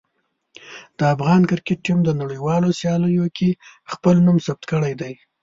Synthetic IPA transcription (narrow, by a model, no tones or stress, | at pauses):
d̪̥əafɣɑnkɪɾkeʈ̚ːimd̪ənaɽəjwɑlosjɑləjokʰexpəlnumsab̚t̪kəɽajd̪aj